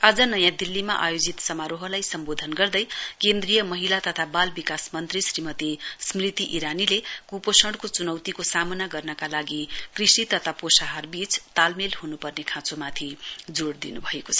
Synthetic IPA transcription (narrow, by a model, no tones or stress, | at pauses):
ad͡zʌnʌjãd̪ilːimaʔa̰jod͡zit̪sʌmaɾoɦʌlajsʌmbod̪ʱʌnɡʌrd̪ʌjkend̪rijʌmʌɦilat̪ʌt̪ʰabalbikasmʌnt̪risrimʌt̪ismrit̪iʔiɾanilekuposʌɽkot͡sunʌwt̪ikosamʌnaɡʌrnʌkalaɡikrisit̪ʌt̪ʰaposaɦarbit͡st̪almelɦunupʌrnekʰãt͡somat̪ʰid͡zoɽd̪ḭnubʱʌekot͡sʰʌ